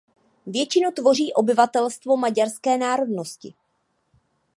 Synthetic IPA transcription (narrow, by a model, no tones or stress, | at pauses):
vjɛt͡ʃɪnut̪vo̞r̝iːʔo̞bɪvat̪ɛlst̪vo̞maɟaɾskɛːnaːɾo̞dno̞scɪ